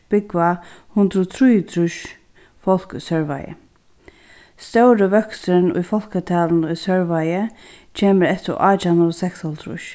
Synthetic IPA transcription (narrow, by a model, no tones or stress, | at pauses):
b̥ɪkvahʊnd̪ɾɔt̪ʰɾujət̪ʰɾʊʃ | fɔl̥ksœɹʋa̰jə̰ | st̪œwɾəʋœksɾənʊ̰jfɔl̥kət̪ʰaːlnʊsœɹʋajə | t͡ʃʰeːməɾɛt̪ɪ̰ʔaːt͡ʃanəɔsɛksɔlt̪ʰɾʊ̰ʃ